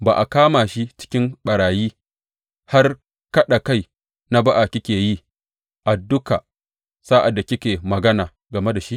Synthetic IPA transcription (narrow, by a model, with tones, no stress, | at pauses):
baː˨ʔa˨kaː˦maː˨ʃi˦t͡ʃɪ̥˦kʲɪ˦mɓɐ˨ɽaː˨jiː˦ | ha˦r | kɐ˦ɗa˨ka˦˨j | na˦ba˦ʔa˨kʲɪ˦kʲeː˨ji˦ | ʔa˨dːʊ˦ka̰˨ | sa˦ʔa˨dːa˨kʲɪ˦kʲeː˨mɐ˨ɡɐ˦naː˨ | ɡɐ˨me˦da˨ʃi˦ʔ